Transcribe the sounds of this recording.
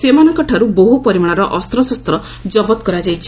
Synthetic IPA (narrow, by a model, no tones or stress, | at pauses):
semanɔŋkɔʈʰaɾuboɦupɔɾimaɽ̃aɾɔʔɔst̪ɾɔsɔst̪ɾɔ | d͡ʒɔbɔt̪kɔɾad͡ʒajt͡ʃʰi̥